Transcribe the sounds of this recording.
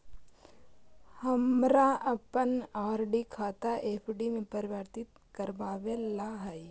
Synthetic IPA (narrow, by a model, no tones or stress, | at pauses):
hɐmɾaɐpənaːɾɖikʰaːt̪aʔeːpʰɖimẽpəɾɪʋəɾt̪ɪt̪̚ | kɐɾbaːʋelaːɦai